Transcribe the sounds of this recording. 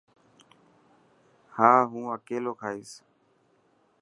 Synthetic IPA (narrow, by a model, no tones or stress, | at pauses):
haːɦũːəkeːloːkʰaːiːs